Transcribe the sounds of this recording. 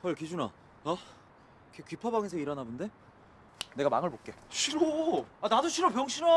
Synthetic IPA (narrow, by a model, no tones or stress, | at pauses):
kʌɭkid͡ʑuna | a | kekɥipʰʌbaŋesʰʌiɾʌnabɯnde̞ | ne̞ɡamaŋɯɭbok͈e̞ɕʰiɾoanadoɕʰiɾopjʌŋɕʰiɾʌ